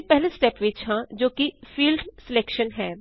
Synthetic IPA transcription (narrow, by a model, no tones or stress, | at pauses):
pɛɦlẽsʈɛːpʋiːt͡ʃɦãːd͡ʒoːkifiːlɖsɪlekʃənɦɛː